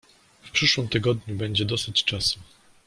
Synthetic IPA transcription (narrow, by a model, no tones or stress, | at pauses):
fpʂɘʂwɘmt̪ɘɡɔd̪ɲubɛɲd͡ʑɛd̪ɔsɘt͡ɕt͡ʂasu